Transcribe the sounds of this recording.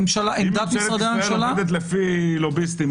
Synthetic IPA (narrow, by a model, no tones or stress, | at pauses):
mʃalaʔid̪atmsʁad̪eamemʃalad̪et̪̬lefilobist̪i